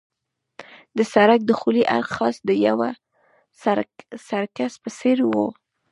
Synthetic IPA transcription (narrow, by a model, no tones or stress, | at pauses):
d̪əsaɾak̚d̪əxuliʔa̰ɾxɑsd̪əjawa | sasaɾkaspəseɾwo